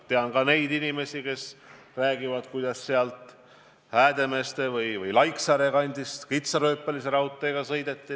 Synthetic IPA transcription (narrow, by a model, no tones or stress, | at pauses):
t̪e̞ɑnkɑne̞jd̪inime̞sike̞s | ræːɡ̥ivɑd̪̥kujd̪̥ɑsːeɑlt̪ˑ | hæːd̪e̞me̞ːst̪e̞vɯjvɤjlɑjksɑɾeɡɑnʲd̪ist̪kit̪sɑɾøːpːˑeliseɾɑwt̪ːˑeɡ̥ɑsɤjd̪e̞t̪ːi